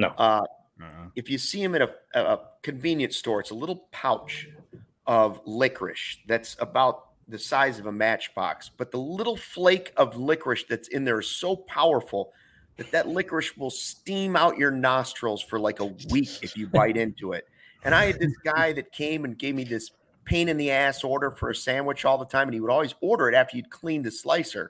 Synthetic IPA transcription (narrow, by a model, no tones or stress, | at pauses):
ʔʌ | ɨfjɨsiɨ̃mɨ̃ɾ̃ɨəkʰɨ̃ɱvĩnjɨ̃ntstɔɹɨtsəlɪɾl̩ˠpʰaʊt͡ʃ | ʔʌvlɪkʰɹɪ̰ʃðɨtsəbaʊt̪̚ | ðɨsaɪzʌvəmæt͡ʃb̥ɑ̰ksb̥ʌt̪̚ðəlɪɾl̩ˠfleɪkʰʌvlɪkʰɹɨʃðɨtsɪ̃nðə˞z̥soʊpʰaʊə˞fl̩ˠ | ðɨt̪̚ðɨtˡlɪkɹɨʃwəlˠstĩmaʊt͡ʃə˞nɑstɹ̥l̩ˠz̥fə˞laɪkəwikɨfjɨbaɪɾɪ̃ntʰuɪ̰t̚ | ʔɨ̃ɾ̃aɪɨd̪̚ðɪsɡ̥aɪðɨt̚kʰẽɪ̃mɨ̃nɡeɪvmiðɪs | pʰẽɪ̃ɾ̃ɨ̃nðiæsɔɹɾə˞fə̰˞ɨsæ̃mwɨt͡ʃɔlˠðətʰãɪ̃m̃ɨ̃niwəɾɔlˠwizɔɹɾə˞ɨɾæftə˞jʉd̚kʰl̥ĩnðɨsla̰ɪsə̰˞